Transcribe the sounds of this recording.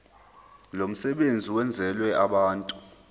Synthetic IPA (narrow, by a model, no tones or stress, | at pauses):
lom̩sɛɓend͡zʱiwɛnd͡zʱɛlwɛaɓaːntʼu